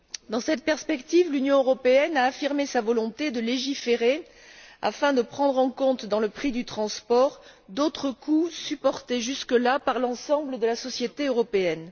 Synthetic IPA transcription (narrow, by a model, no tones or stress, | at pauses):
d̪ɑ̃sɛt̪pɛʁspɛkt̪ivlynjɔ̃øʁɔpeɛnaːfiʁmesavɔlɔ̃t̪ed̪əleʒifeʁe | a̰fɛ̃d̪əpχɑ̃d̪ʁɑ̃kɔ̃t̪d̪ɑ̃ləpχid̪yt̪χɑ̃spɔʁd̪ot̪χəkʰusypɔʁt̪eʒyskəlapaʁlɑ̃sɑ̃bləd̪əlasɔsjet̪eøʁɔpeɛn